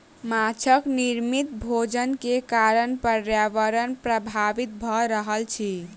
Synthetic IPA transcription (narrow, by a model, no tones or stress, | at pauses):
mat͡ʃʰəkniɾmit̪bʱod͡ʒənkekaɾənpəɾjaʋəɾənpɾəbʱabit̪̚bʱɔɾəɦəlt͡ʃʰi